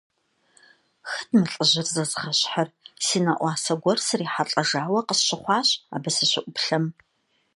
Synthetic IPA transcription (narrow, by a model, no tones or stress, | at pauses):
xɐdmɨɬʼəʑɪrzɐzχɐɕħarsiːnɐʔʷɑːsɐɡʷɔrsɨriːħaɬʼɐʒaːwɐqəsɕɪχʷɑːɕa̰ːbɐsɨɕɪʔʷʼʊpɬɐm